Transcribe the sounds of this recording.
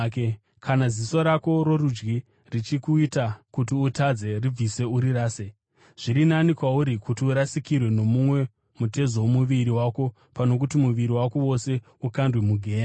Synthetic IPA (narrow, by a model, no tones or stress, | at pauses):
k | kʰanaziso̞ɾako̞ɾo̞ɾud͡ʒɡi | rit͡ʃikuitakutiutad͡ze̞rib͡vise̞uɾiɾaːse | ʐ̥iɾinanikwauɾikutiuɾasikirwe̞no̞mumwe̞ | mute̞zoomuʋiɾiwako̞ | pano̞k̬utimuʋiɾiwako̞wo̞se̞ | ukandwemuɡʱe̞ːna